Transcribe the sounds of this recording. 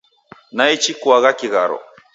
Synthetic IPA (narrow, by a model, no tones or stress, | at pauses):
nait͡ʃikwaɣakiɣaɾɔ̰